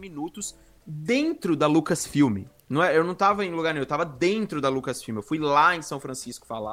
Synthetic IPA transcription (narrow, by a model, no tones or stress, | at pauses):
minut̪ʊs | d̪ẽnt̪ɾʊd̪ɐlukɐsfiwmɪ̰ | nɐ̃w̃ɛewnɐ̃w̃t̪avɐẽluɡaɾnẽj̃ewt̪avɐd̪ẽnt̪ɾʊd̪ɐlukɐsfiwmɪewfujlaẽj̃sɐ̃w̃fɾɐ̃siskʊ̥fa̰la̰